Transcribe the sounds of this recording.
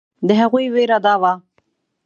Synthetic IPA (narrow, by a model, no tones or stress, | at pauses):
d̪əɦaɣujweɾad̪ɑwa